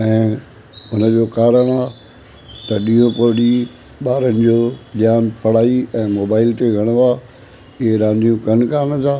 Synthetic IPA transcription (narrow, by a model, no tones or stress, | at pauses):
ɛ̃ː | ʊnəd͡ʑoːkaːɾəɽ̃aː | t̪ɐɗĩːõpoɽi | ɓaːɾənɪ̆d͡ʑoːɗɪjaːnpɐɽ̤aːiɛ̃ːmoːbaːɪlt̪eɡʱɐɽ̃aː | ɪɦeɾãːnd̪ʱijũkɐnkaːnɐzaː